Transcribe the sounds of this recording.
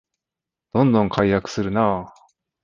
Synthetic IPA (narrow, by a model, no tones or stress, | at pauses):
d̪̥õ̞nd̪õ̞ŋkʰaijakɯ̟̥sɨɾɯ̟naː